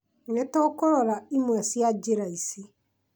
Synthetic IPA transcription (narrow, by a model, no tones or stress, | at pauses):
netɔkɔɾɔɾaimwasiad͡ʒeɾaisi